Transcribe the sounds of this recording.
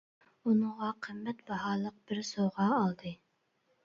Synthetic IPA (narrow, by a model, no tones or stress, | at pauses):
unɨʁɑqʰəmːɛt̪bɑɦɑːlˠəq̚b̥ɪɾsoʁɑːlˠd̪ɨ